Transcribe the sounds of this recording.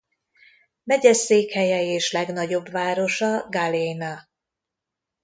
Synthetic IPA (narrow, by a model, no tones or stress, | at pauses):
mɛɟɛseːkhɛjɛeːʃlɛɡnɒɟo̞bʋaːɾo̞ʃɒɡalejnɒ